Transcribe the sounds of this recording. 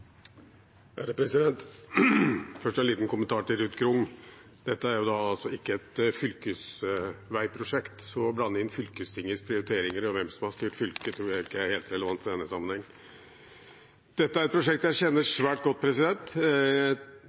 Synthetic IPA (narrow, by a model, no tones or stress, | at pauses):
æ̰ɾəpʰɾɛsɪd̪ɛnt̪ | fœʂʈɔæniːt̪n̩kʰʊmənt̪ʰɑːʈɪlɾʉːt̪ɡɾʊŋː | d̪̥ɛt̪ːəæɾjʊd̪ɑɑlsɔɪkːəɛt̪fʏlkəsʋæɪpʰɾʊʂɛkt̪sɔblɑnːəɪnːfʏlkəst̪ʰɪŋːəspʰɾɪʊɾɪt̪ʰeːɾɪŋəɾɔʋɛmsɔmhɑʂst̪yːʈfʏlkət̪ʰɾuːjæɪɪkːəæɾheːlt̪ɾɛləʋɑnt̪ɪd̪ɛnːəsɑmːənhɛŋː | d̪̥ɛt̪ːəæɾɛt̪̚pʰɾʊʂɛkt̪jæɪçɛnːəʂʋæːʈ̚ɡɔt̪̚ːpʰɾɛsɪd̪ɛnt̪